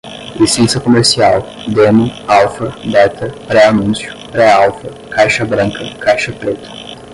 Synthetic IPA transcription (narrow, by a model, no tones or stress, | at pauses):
lisẽnsɐkomeɾsiaw | d̪emʊawfɐd̪ɛt̪ɐpɾɛanũsjʊpɾɛawfɐ | kajʃɐbɾɐ̃ŋkʰɐkajʃɐpɾet̪ɐ̥